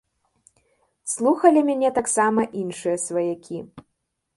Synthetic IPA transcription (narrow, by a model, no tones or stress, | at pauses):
slˠuxɐlʲimʲanʲɛt̪aksamɐʔinʂɨjɐsvɐjakʲʰi